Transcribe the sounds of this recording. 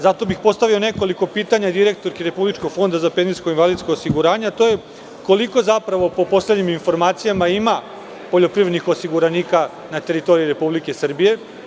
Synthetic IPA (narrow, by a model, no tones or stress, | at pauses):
zat̪o̞bixpo̞st̪aʋio̞ne̞ko̞liko̞piːt̪aɲad̪iɾe̞k̚t̪o̞ɾkeɾe̞publit͡ʃko̞ɡ̥fo̞nd̪azape̞nziskoinʋalid̪skoosiɡuɾaːɲeat̪o̞je | ko̞liko̞zapɾaʋo̞po̞po̞slʲe̞d̪ɲiminfo̞ɾmaːt̪sijamaima | po̞ʎo̞pɾiʋed̪nixo̞siɡuɾaniːka | nat̪e̞ɾit̪o̞ɾijiɾe̞publike̞sr̩bije̞